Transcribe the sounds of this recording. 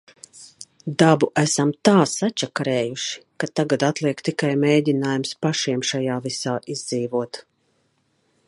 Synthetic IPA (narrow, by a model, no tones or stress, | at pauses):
d̪abuʔæsamt̪aːsat͡ʃakaɾɛːjuʃi̥kat̪aɡat̪at̪lˠiɛkt̪ikajmɛjdʲinaːjumspaʃiɛmʃajaːvisaːʔizd̪ziːvuɔt̪